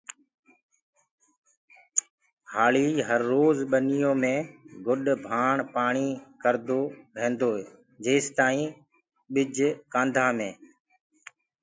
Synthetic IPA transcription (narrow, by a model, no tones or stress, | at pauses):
haːliːɦəɾːoːzɓənijõːmẽːɡʊɗbʱaːɳpaːɳ̃iːkəɾd̪oːʋẽːnd̪oː | d͡ʒeːst̪aːĩː | ɓɪd͡ʒʱkãːnd̪ʱaːmẽː